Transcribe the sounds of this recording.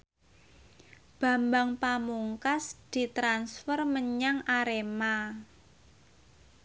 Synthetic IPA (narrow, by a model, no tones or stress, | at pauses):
b̥a̤mbaŋpamuŋkasd̪̥i̤t̪ɾansfərməɲaŋaɾema